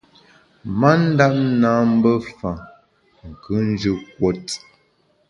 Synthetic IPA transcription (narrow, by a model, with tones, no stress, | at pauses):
ma˦n̩˦da˦p̚naː˨˦m̩˦bə˦fa˨ | ŋ̩˨kʉ˨˦n˦d͡ʒʉ˦k̚wo˦t